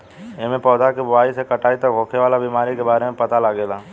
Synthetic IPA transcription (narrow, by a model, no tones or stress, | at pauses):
emẽpɔːd̪akibʊaːisekɐʈaːit̪ɐkɦoːkʰeʋaːlabiːmaːɾikebaːɾemẽpɐt̪alaɡeːlaː